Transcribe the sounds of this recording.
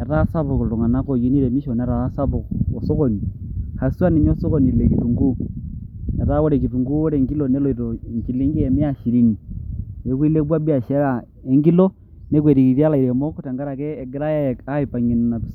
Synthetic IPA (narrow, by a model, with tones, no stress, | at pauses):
e˨ɾa˦sa˦βo˨ko˨lo˨ŋa˨na˦ko˨ɣi˦ni˦ɾe˨mi˦ʃɔ˨nɛ˨˦ɾa˨a˦sa˦βo˨o˨so˦ko˦ni˨ha˨swa˦ni˨ɲo˦so˦ko˨ni˨le˨ki˨tu˨ŋɡu˦ | e˨ɾa˦wo˦ɾe˨ki˨tu˨ŋɡu˦o˦ɾe˨ŋɡi˦lo˨ne˦lo˨i˨ɾo˨ɲt͡ʃi˨li˦ŋɡi˦e˨me˦a˦ʃi˨ɾi˦ŋi˨e˨˦kwi˦le˦bwa˦bi˦a˨ʃe˦ɾa˨ | e˦ŋɡi˦lo˦ | ne˦k̬we˨ɾi˨ki˨ðja˦la˨iɾe˨mo˦ko˦ta˨ŋɡa˦ɾa˨kɛː˦˨ɡe˦ɾa˦ja˦˨a˦i˨pa˨ɲi˨n˨na˨tu̥s